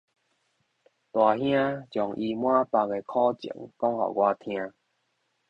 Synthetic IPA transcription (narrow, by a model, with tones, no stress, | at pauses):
t̪wa˨˩ɦj̃ã˦t͡ɕjɔ˨˩ŋʔi˧mwã˦pa˧ŋe˧kʰɔ˦t͡ɕḭ˨˩˦ŋkɔ˦ŋhɔ̰˨˩ɡwa˧t̪ʰj̃ã˧